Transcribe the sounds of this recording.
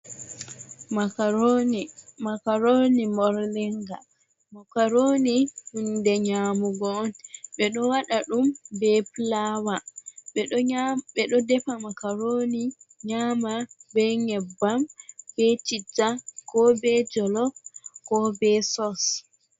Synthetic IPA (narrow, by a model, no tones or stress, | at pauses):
a | makaɾonimɔɾlɛŋɡa | makaɾoːnihundɛɲaːmuɡɔːnɓɛɗɔwaɗaɗumbɛplawaɓɛɓɛɗɔdɛpamakaɾoniɲaːmabɛŋɛbːamb̥ɛt͡ʃitːakɔbɛd͡ʒɔlɔkɔbɛsɔs